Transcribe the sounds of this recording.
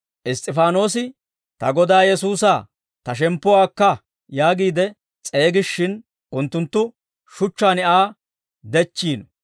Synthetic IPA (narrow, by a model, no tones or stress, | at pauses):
ʔɪst̪ʼːɪfaːno̞ːs̬ɪ | t̪ɐɡɔd̪aːjɛsuːsaː | t̪ɐʃ̬ɛmpːɔwaːkːɐ | jaːɡiːd̪ɛ | t͡sʼe̞ːɡɪʃːɪn | ʔʊnt̪ːʊnt̪ːʊ | ʃʊt͡ʃːaːnɪʔaː | d̪ɛt͡ʃːiːnɔ